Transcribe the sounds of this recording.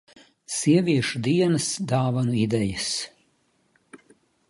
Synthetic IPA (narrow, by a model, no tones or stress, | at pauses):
siɛvʲiɛʃud̪iɛnɐsd̪aːvanuid̪ɛjəs